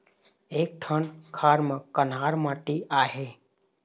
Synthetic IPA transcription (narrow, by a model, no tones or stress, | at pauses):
eːk̚ʈʰənkʰaːɾmə̃kənɦaːɾmãːʈiʔaːɦeː